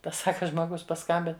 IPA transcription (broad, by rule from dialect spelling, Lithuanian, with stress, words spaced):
ˈtɐs ˈsɑːkɐ ʒmoːˈɡʊs pɐˈskɐmʲbʲɪn